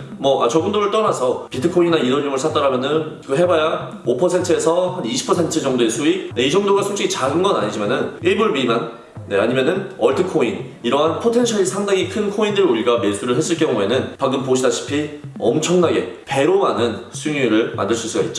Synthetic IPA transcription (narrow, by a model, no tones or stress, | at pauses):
mʌʔa̰t͡ɕʌɡundoɾɯɭt͈ʌnasʰʌpitʰɯkʰoinnaiɾʌnjomɯɭsʰat͈ʌɾamjʌnɯnkɯɦe̞baja | opʰʌsʰe̞ntʰɯesʰʌhaniɕʰi̥pʰʌsʰe̞ntʰɯd͡ʑʌŋdoe̞sʰuik̚neid͡ʑʌŋdoɡasʰoŋt͡ɕ͈ikʰit͡ɕaɡɯnɡʌna̰ɲid͡ʑimanɯnimuɭmimanː | eaɲimjʌnɯnʌɭtʰɯkʰoin | iɾʌɦanpʰotʰe̞nɕʰʌɾisʰaŋdaŋikʰɯnkʰoindɯɾuɾiɡame̞s͈ʰuɾɯɭɦe̞s͈ɯɭk͈jʌŋue̞nɯnpaɡɯmpoɕʰidaɕʰi̥pʰiʌmt͡ɕʰʌŋnaɡe̞pe̞ɾomanɯnsʰuŋuɾɯɭmʔa̰ndɯɭs͈uɭs͈uɡait̚t͡ɕ͈o